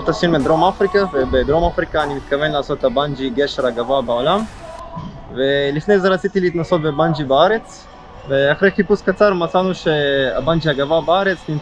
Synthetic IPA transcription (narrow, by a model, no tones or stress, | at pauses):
t̪asinmed̪ɾo̞mafɾikavebed̪ɾo̞mafɾikaːnimit̪kave̞nlaːso̞t̪haband͡ʒiɡeʃeɾaɡavabaolam | velifne̞jzeʁat͡sit̪ileit̪naso̞t̪̚beband͡ʒibaaɾe̞t͡s | veaχʁe̞jχipuskat͡saɾmat͡sanuʃea̰band͡ʒiaɡavabaaɾet͡snim